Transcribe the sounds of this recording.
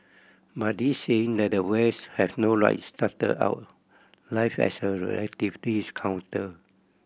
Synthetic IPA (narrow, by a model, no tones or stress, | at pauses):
bat̚diseĩŋdɛt̚dəwɛshɛfnoɹa̰jtstatə̰da̰ʊt̚ | lajfɛ̰səɹɛ̰lɛtiftiskʰãw̃ntə